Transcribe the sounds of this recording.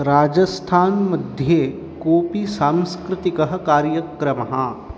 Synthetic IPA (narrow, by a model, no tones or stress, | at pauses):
ɾaːd͡ʒəst̪ʰaːnmɐd̪ʱje | koːpisãːmskɾɪt̪ikɐɦɐkaːɾjəkɾɐmɐɦã